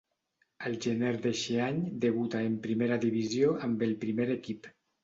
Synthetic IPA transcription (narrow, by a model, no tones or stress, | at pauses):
elˠʒeneɾd̪eʃeaɲd̪eβ̞ut̪aempɾimeɾaðiβ̞izjoʔambelˠpɾimeɾekip